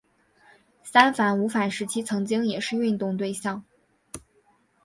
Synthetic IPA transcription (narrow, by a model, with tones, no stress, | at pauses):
sa˥nfa˧˥nu˧˥fa˨˩nʂɻ̩˧˥t͡ɕʰi˥t͡sʰɤ˧˥ŋt͡ɕi˥ŋjɛ˨˩ʂɻ̩˥˧y˥˧nt̪ʊ˥˧ŋt̪we˥˧ɪɕjɑ˥˩ŋ